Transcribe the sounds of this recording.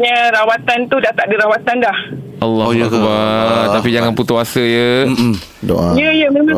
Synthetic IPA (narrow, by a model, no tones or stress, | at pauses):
ɲəɾawat̪ant̪udat̪aʔ̚diɾawat̪andah | ʔalːɔ̰kbat̪apid͡ʒaŋanput̪uasəjə | do̰ʔajəjəməmə